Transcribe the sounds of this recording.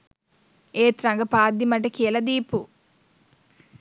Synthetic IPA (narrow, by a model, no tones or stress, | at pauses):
eːt̪ɾɐŋɡɐpaːd̪imɐʈɐkiːlɐd̪iːpu